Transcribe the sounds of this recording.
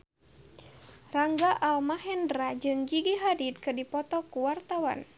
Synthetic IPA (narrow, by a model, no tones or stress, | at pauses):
raŋɡaʔalmaɦɛndɾad͡ʒɨŋd͡ʒiɡiɦadit̪̚kɨrdipɔt̪ɔkuwart̪awa̰n